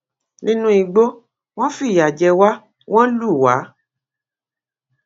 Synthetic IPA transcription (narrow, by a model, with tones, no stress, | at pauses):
nĩ˦nũ˦i˧ɡ͡bo˦ | w̃ɔ̃˦fi˦˨ja˨d͡ʒɛ˧wa˦ | w̃ɔ̃˦lu˦˨wa˨˦